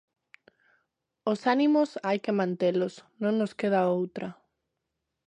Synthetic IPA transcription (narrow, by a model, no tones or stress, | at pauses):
osanimʊsajkemãnt̪elʊsnõŋnoskeð̞aowt̪ɾɐ